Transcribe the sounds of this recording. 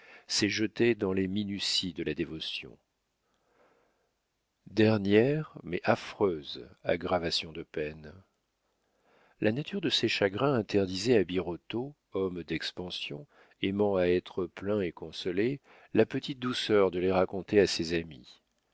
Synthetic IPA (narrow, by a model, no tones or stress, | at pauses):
sɛʒət̪ed̪ɑ̃leminysid̪əlad̪evɔsjɔ̰̃ | d̪ɛʁnjɛʁmɛʔafχøza̰ɡʁavasjɔ̃d̪əpɛn | lʔanat̪ʰyʁd̪əsɛʃaɡʁɛ̃ɛ̃t̪ɛʁd̪izɛabiʁɔt̪o | ɔmd̪ɛkspɑ̃sjɔ̰̃ | emɑ̃aɛt̪χəplɛ̃ekɔ̃sɔle | lapət̪it̪̚d̪usœʁd̪əleʁakɔ̃t̪easezamḭ